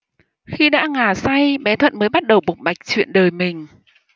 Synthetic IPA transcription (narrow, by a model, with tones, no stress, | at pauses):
xi˧ɗa̰ː˧˥ŋaː˨˩sa˧jɓɛ˨˦t̪ʰwə̰˧˨nməː˨˦jɓa˦˥t̚ɗə˨˩wɓʊ˨˩k͡p̚ɓa˨˩jk̟̚t͡ɕwḭ˧˨ənɗəː˨˩jmï˨˩ŋ̟